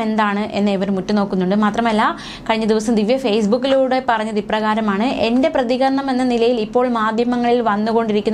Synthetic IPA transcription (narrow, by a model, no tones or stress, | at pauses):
e̞nd̪aːɳɨʔe̞nːeiʋɐɾumutːuno̞ːkːunːuɳɖɨmaːt̪rɐmɐlːɐ | kɐɻiɲːɐd̪iʋɐsɐmd̪iʋjɐfejsbukːiluːɽe̞pɐrɐɲːɐðiprɐɣaːɾɐmaːɳɨʔe̞nde̞prɐðiɣɐrnɐme̞nːɐnilɐjilipːo̞ːɭmaːd̪ʱjɐmɐŋːɐɭilʋɐnːuɣo̞ɳɖiɾikʲːunː